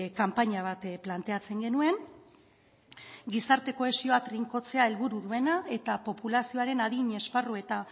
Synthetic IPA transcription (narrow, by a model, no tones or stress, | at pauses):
kampaɲaβ̞at̪plant̪e̞at͡se̞ŋɡe̞nue̞n | ɡisaɾt̪e̞ko̞e̞sio̞at̪riŋko̞t͡se̞ae̞lβuɾuðue̞nae̞t̪apo̞pulasio̞aɾe̞naðiɲe̞sparue̞t̪a